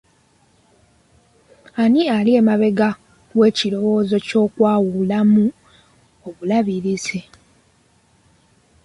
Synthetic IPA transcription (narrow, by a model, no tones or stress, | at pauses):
anialie̞ːmaβe̞ɡa | ɡwe̞ːcilo̞wo̞ːzo̞co̞ːkwaːwulamu | oβulaβiɾize